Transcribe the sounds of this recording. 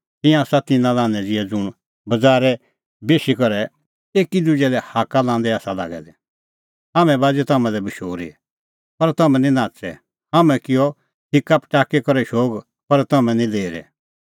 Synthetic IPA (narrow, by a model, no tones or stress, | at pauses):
t̪ɪ̃jãsat̪ɪnãlãːnɛd͡zɪɛd͡zʊɽ̃ | bɐd͡zaːɾɛ | beːʃikɔɾɛ | eːkid̪ud͡ʒɛlɛhaːkalãːnd̪ɛaːsala̰ːɡɛ̰d̪ɛ | ɦaːmɛ̃baːd͡ʒɛt̪ɐmɛ̃lɛbɪʃoːɾḭ | pɐɾt̪ɐmɛ̃nĩnãːt͡sɛ̰ | hamɛ̃kɪjɔ | ʈʰɪkːapʈaːkekɔɾɛʃoːɡ | pɐɾt̪ɐmɛ̃nĩleːɾɛ̰